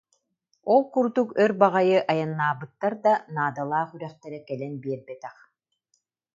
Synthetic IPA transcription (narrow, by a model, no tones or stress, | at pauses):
ɔlˠkuɾd̪ukœɾbaʁajɯʔajanːaːbɯt̪ːaɾd̪anaːd̪alˠaːχyɾœχt̪ɛɾɛkɛlɛnbiɛɾbɛt̪ɛχ